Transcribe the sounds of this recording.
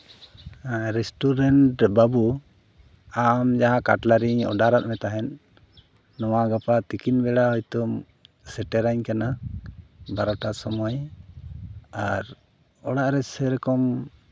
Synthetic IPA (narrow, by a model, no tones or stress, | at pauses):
ɾɛsʈuɾɛɳʈbabu | amd͡ʒaɦãkaʈlaɾiɲɔ̰ɖaɾat̪̚mɛt̪aɦɛnː | ɔwaɡapat̪ikinbɛɽaɦɔjt̪ɔm | sɛʈɛɾaɲkana | baɾɔʈasɔmɔj | aɾ | ɔɽaʔɾɛsɛɾɛkɔm